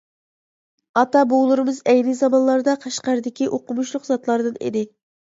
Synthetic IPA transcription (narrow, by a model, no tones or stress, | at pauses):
ɑt̪ɑbolˠɨɾɨmɨzɛjnɨzɑmɑnlˠɑɾɨd̪ɑqʰɑʃqɑɾɨd̪ɪkʲiʔoqʊmuʃlˠʊqzɑt̪lˠɑɾd̪ɨnḭd̪ɪ